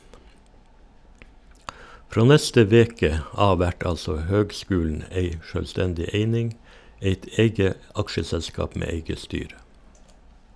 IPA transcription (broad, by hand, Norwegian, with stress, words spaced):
ˈfɾoː ˈnɛstə ˈʋeːkə ˈɑː ˈʋæʈ ˈɑlsɔ ˈhøːɡˌskʉːln̩ ˈeɪ ʃøːlˈstɛndɪ ˈeɪnɪŋ ˈeɪt ˈeɪɡə ˈɑkʃəˌsɛlskɑːp ˈmeː ˈeɪɡə ˈstyːɾə